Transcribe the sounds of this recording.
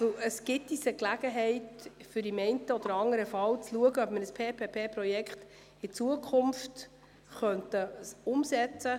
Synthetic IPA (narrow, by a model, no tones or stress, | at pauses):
vɵwəsɡ̥ɪt̚d̥̪isəklæɡ̥əɦɛɪtfʏɾimɛɪntəɔd̪əɾɑŋəɾəfɑlt͡sluəɡəœpmənəspʰeːpʰeːpʰeːpɾɔjɛkχt | ɪt͡suəkʰχʊmft | χœntəsʊmsɛt͡sə